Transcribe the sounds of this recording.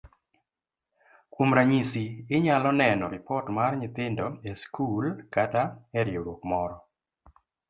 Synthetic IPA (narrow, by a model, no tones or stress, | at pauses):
kwomɾaɲisiɪɲalɔnɛnɔɾɪpɔtmarɲɪt̪ɪndɔɛskulkataɛɾjoɾokmɔɾɔ